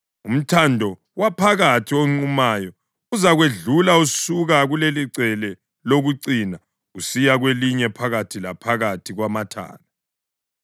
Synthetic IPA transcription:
um̩tʰandʱɔ | wapʰaɣatʰioŋ͡ǀumaːjɔ | uzaɣweɮulausuɣaɣuleliǀʱɛlɛ | loɣuǀina | usijaɣweliɲɛpʰaɣatʰila̰pʰaɣatʰiɣwamatʰa̰ːna

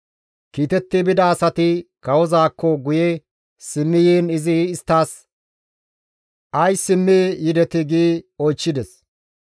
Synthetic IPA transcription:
kiːt̪ɛt̪ːɪbɪd̪ɐːsɐt̪ɪkɐwɔzaːkːɔɡʊjɛ | sɪmːɪjeːnɪzɪːst̪ːaːs | ʔɐjsɪmːejɪd̪ɛt̪ɪɡiːɔjt͡ʃːɪd̪ɛs

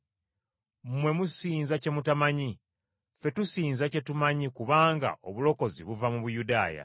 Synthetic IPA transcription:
mmwe̞musiːnzace̞mutamaɲi | fe̞tusiːnzace̞tumaɲikuβaːŋɡa̰o̞βulo̞ko̞zḭβuvamuβujudaːja̰

